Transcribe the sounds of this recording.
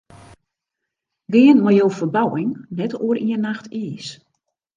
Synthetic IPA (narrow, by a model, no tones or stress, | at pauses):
ɡɪənmɔjoːfərbawɪŋnɛtoəɾiənaxtʰiəs